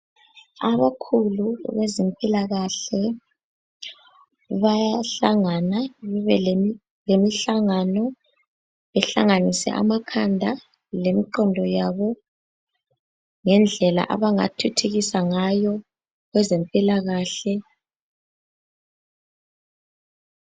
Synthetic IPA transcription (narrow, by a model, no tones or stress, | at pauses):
aβakʰuluɣɛzempʼilaɣaɬɛ | βajaɬaŋanaɣβɛ | lemiɬaŋanɔ | βɛɬa̰ŋanisɛ̰ʔa̰makʰandʱa | lemiǃɔndʱɔjaβɔ | ŋɛnd͡ɮʱɛla̰ʔa̰βaŋa̰tʰutʰuɣisaŋajɔ | ɣwɛzempʼilaɣaːɬɛ